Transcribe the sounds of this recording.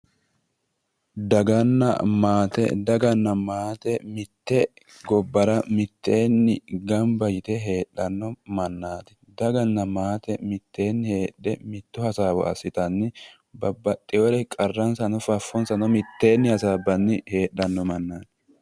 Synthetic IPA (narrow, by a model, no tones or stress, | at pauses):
d̪ɐɡɐnːɐ̰maːt̪ɛ̰d̪ɐɡɐnːɐmaːt̪ɛmɪt̪ːɛ | ɡɔbːɐɾɐmɪt̪ʰːe̞ːnːɪ̰ɡɐmbɐjɪt̪ɛɦe̞ːɗːɐnːɔmɐnːaːt̪ɪ̥ | d̪ɐɡɐnːɐmaːt̪ɛmɪt̪ːe̞ːnːɪhe̞ːɗːɛmɪt̪ːʊhɐsaːbɔ̰ʔɐ̰sːɪt̪ɐnːɪ | bɐbːɐt̪ʼːɪɔɾɛkʼɐrːɐnsɐnɔfɐfːɔnsɐnɔmɪt̪ːe̞ːnːɪhɐsaːbːɐnːɪhe̞ːɗːɐnːɔmɐnːaːt̪ɪ̥